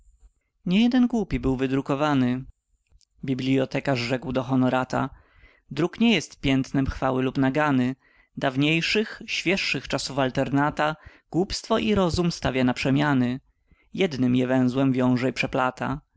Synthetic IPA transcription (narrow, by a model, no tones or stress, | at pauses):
ɲɛjɛd̪ɛnɡwupʲibɘwvɘd̪ɾukɔvanɘ | bʲiblʲiɔt̪ɛkaʐʐɛkwd̪ɔxɔnɔɾat̪a̰ | d̪ɾukɲɛjɛst̪pʲjɛnt̪nɛmxfawɘlupnaɡanɘ | d̪avɲejʂɘxɕfʲjɛʂːɘxt͡ʂasufalt̪ɛɾnat̪a | ɡ̥wupst̪fɔʔiɾɔzumst̪avʲjanapʂɛmʲjanɘ | jɛd̪nɘmjɛvɛ̃w̃zwɛmvʲjɔ̃w̃ʐɛipʂɛplat̪a̰